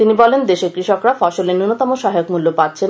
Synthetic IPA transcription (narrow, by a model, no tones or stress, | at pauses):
t̪inibɔlend̪eʃekɾiʃokɾafɔʃolenonot̪ɔmoʃɔɦajokmulːopat̪ːt͡ɕʰen